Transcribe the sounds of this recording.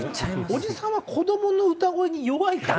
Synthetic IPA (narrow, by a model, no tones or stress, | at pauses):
o̞d͡ʑisãɰ̃βakʰo̞d̪o̞mo̞no̞ɯ̟t̪aɡo̞eɲ̟ijo̞βait̪a